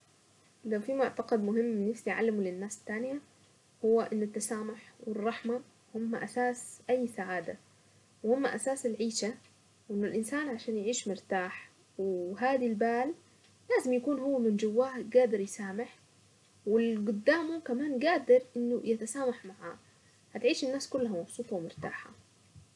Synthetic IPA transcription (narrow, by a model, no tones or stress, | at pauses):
lawfimʊʕt̪ɑqɑd̪mʊɦɪmːbɪnːɪfsijʕa̰lːɪmulɪnːaːst̪ːaːnja | hʊwːaʔɪnːʊt̪ːasaːmʊħwɪrˤːɑħma | hʊmːaʔasaːsʔajːsaʕaːd̪a | whʊmːaʔasaːsɪlʕiːʃa | wʔɪnːʊlʔɪnsaːnʕaʃaːnjʕiːʃmʊɾt̪aːħ | wɦaːd̪ilbaːl | laːzɪmjakuːnhʊwːamɪnd͡ʒʊwːaːhɡaːd̪ɪɾˤjɪsaːmɪħ | wɪlɡʊd̪ːaːmukamaːnɡaːd̪ɪɾʔɪnːujɪt̪asaːmaħmaʕa̰ː | hat̪ʕiːʃɪnːaːskʊlːhamɑbsˤuːt̪ˤɑwmɪɾt̪a̰ːħa̰